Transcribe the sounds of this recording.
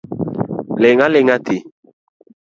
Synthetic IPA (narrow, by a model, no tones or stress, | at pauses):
lɛŋalɛŋatʰe